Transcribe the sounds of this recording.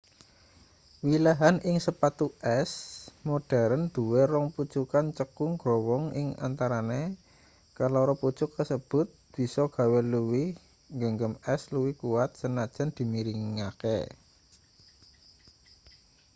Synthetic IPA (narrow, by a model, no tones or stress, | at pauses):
wilaɦanʔɪŋsəpat̪uʔɛsmoɖ̥a̤ɾənd̪̥ṳweɾɔŋput͡ʃukant͡ʃəkʊŋɡ̥ɾowɔŋɪ̰ŋa̰nt̪aɾane | kalɔɾɔput͡ʃʊkːəsəb̥ʊ̤t̪̚b̥i̤sɔɡ̥a̤weluwi | ŋɡəŋɡəmɛsluwikuwat̪̚sənad̥ʒ̥a̤nd̪̥i̤miɾiŋakḛ